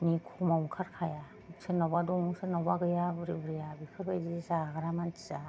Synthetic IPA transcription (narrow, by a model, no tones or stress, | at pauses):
mikʰumawmkʰaɾkʰaja | senɔbadɔŋusɯnɔbaɡɯjabɯɾibɯɾijabikʰɯɾbajdisaɡaɾamanti̥za